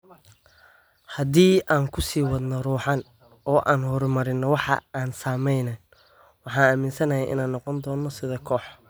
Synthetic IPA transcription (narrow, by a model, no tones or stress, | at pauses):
hɐd̪iːʔaːŋkʰʊsiːwɑðnɔruːħɑn | ɔːʔaːnhɔɾmɐɾɪnːɔwɑħɑ̰ʔaːnsaːmɛjnɛn | wɑħɑːnɐmɪnsɐnɐjɛjʔɪ̰naːnːɔqɔnd̪ɔːnːɔsɪðɐkʰɔːħ